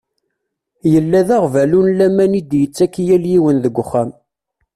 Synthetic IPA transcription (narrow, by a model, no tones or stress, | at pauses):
jəlːæðaʁvælunlæmænid̪jət͡sːækːjæljiwənðəɡʷːʊχːæm